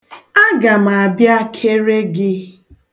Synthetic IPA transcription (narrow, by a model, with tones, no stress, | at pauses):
a˦ɡa˨m˨a˨bja˦kʰe˦ɾe˦ɡɪ˦